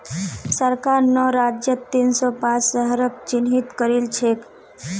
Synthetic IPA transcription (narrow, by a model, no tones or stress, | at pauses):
səɾkaɾnɔɾad͡ʒjət̪ːinsɔpãt͡ʃsəɦəɾək̚t͡ʃinɦit̪kəɾilt͡ʃʰek